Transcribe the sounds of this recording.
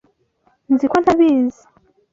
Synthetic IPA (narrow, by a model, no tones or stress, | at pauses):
nzikwanaβiːzḁ